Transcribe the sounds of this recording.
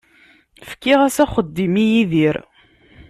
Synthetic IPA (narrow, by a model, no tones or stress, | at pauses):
fkːiʁæsæχəd̪ːimijiðiɾ